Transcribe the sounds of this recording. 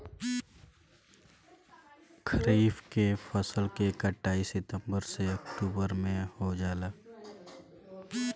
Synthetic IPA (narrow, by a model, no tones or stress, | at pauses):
kʰəɾiːfkepʰəsəlkekəʈːaːisɪt̪ə̃mbəɾseəkʈuːbəɾmẽhod͡ʒaːlaː